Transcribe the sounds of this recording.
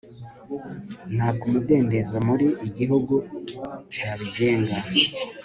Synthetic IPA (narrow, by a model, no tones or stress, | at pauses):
n̥haːkumude̞ːnde̞zomuɾiʔiɟiɦuɡut͡ʃaːβiɟe̞ːŋɡa